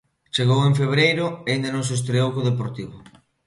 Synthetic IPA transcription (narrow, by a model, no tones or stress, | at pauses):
t͡ʃeɣowẽɱfeβɾejɾʊaind̪anõŋs̬est̪ɾeowkoðepoɾt̪iβʊ